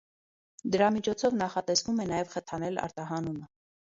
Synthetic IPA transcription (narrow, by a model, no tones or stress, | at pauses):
d̪əɾɑmit͡ʃʰɔt͡sʰɔvnɑχɑt̪ɛsvumɛnɑjɛvχət̪ʰɑnɛlɑ̰ɾt̪ɑɦɑnunə